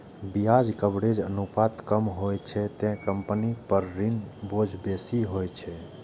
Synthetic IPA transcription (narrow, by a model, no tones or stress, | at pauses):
biad͡ʒkəbɽed͡ʒə̰nupat̪kəmɦojt͡ʃʰɛt̪ɛ̃kəmpnipəɾːinbod͡ʒʱbesiɦojt͡ʃʰɛ